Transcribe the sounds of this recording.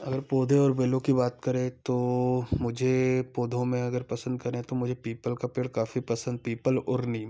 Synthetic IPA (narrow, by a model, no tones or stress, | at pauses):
ɐɡəɾpoːd̪ʱeɔːɾbeːlõkibaːt̪kɐɾẽt̪omʊd͡ʒʱepoːd̪ʱõmẽɐɡəɾpɐsə̃nd̪̚kɐɾẽt̪omʊd͡ʒʱepiːpəlkapeːɽkaːfipɐsə̃nd̪̚piːpəlɔɾni